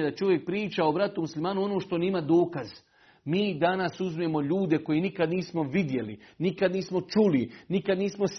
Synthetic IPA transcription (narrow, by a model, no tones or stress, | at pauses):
ed̪at͡ʃo̞ʋje̞k̚pɾiːt͡ʃaobɾat̪umuslimaːnuo̞noːʃt̪o̞nimad̪o̞ːkaz̥ | miːd̪anasuzmemo̞ʎuːd̪eko̞jinikad̪niːsmo̞ʋid̪je̞lḭnikad̪niːsmo̞t͡ʃulinikad̪niːsmos